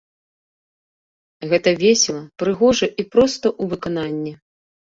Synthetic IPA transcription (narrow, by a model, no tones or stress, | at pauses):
ɣɛt̪ɐvʲɛsʲɛlˠɐpɾɨɣɔʐɐʔipɾɔst̪ɐʔuvɨkan̪anʲːɛ